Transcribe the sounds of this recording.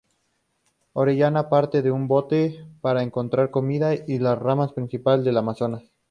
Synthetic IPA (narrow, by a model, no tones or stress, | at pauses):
o̞ɾeʝanapaɾt̪e̞ðeumbo̞t̪e̞paɾaeŋko̞nt̪ɾaɾko̞miðailasramaspɾinsipalzd̪e̞lamasonas